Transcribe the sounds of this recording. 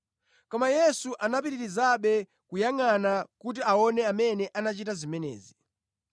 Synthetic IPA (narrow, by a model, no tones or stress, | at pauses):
kɔmajɛsuʔanapiɾiɾizaɓɛ | kujaŋanakut̬iaɔnɛamɛnɛʔanat͡ʃitazimɛnɛ̰ːzi